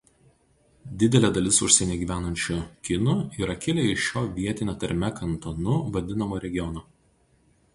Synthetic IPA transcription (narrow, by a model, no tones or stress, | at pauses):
d̪ʲɪd̪ʲɛlʲeːd̪ɐlʲɪsʊʃʲsʲɛnʲeːɡʲiːʋʲæːnɐnʲt͡ʃʲukʲɪnʊiːɾɐkʲɪlʲɛɪʃʲoːʋʲiɛt̪ʲɪnʲɛt̪ɐɾʲmʲɛkɐnt̪ɔnʊʋɐd̪ʲɪnɐmoːɾʲɛɡʲɪjɔnoː